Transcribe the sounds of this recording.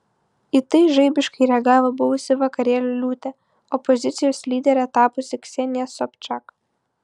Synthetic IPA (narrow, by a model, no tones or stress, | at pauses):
it̪ɐɪʒɐɪbʲɪʃkɐɪɾʲɛɡɑːʋobʊʋʊsʲɪʋɐkɐɾʲeːlʲʊlʲuːt̪ʲɛ | ɔpɔzʲɪt̪sʲɪjoːslʲiːd̪ʲɛɾʲɛt̪ɑːpʊsʲɪksʲɛnʲɪjɛsɔpʲt͡ʃɑk